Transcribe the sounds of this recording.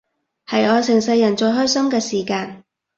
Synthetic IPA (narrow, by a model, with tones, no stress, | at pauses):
hɐ˨jɔː˨˧sɪ˨˩ŋsɐ˧jːɐ˨˩nt͡ʃɵ˧jɦœː˥jsɐ˥mkɛː˧siː˨˩kaː˧n